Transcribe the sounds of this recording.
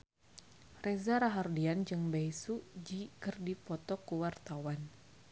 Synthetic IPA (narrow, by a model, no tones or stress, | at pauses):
rɛzaɾaɦardiand͡ʒɨŋbaisud͡ʒikɨrdipɔt̪ɔkuwart̪awan